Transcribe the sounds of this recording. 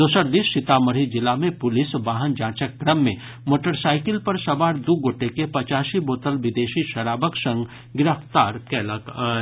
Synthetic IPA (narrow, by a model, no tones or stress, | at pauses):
d̪oːsəɾd̪ɪsɪt̪aːməɾid͡ʒɪlamẽpʊlɪsʋaːɦənd͡ʒaːt͡ʃəkːɾəmːḛ̃ | moːʈəɾsaːɪkɪlpɐɾsɐbaːɾd̪uɡoːʈekepɐt͡ʃaːsiboːt̪əlʋɪd̪eːʃiʃɐɾaːbəksɐ̃ŋɡ | ɡɪɾəft̪aːɾkɛləkː